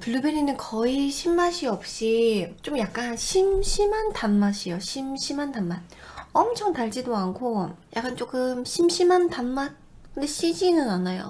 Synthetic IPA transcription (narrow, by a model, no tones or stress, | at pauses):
puɭːubeɾinɯnkʌiɕʰimːaɕʰiʌp̚ɕ͈it͡ɕ͈omjak̚k͈anɕʰimɕʰimantanmaɕʰijoɕʰimɕʰimantanmanʌmt͡ɕʰʌŋtaɭd͡ʑidoankʰoja̰k͈ant͡ɕ͈ok͈ɯmɕʰimɕʰimantanman̚ | kɯnde̞ɕ͈ʰid͡ʑinɯnanajo̰